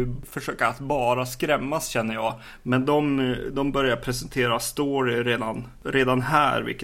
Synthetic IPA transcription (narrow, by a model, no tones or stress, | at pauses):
ɵfœʂøːkaat̪bɑːɾaskɾɛmːasɕɛnːəjɑ̰ː | mɛnd̪ɔmd̪ɔmbœɾjaɾpʰɾɛsɛnt̪ʰeːɾast̪oːɾɪɾeːd̪an | ɾeːd̪anɦæ̰ːɾvɪ̰lkːə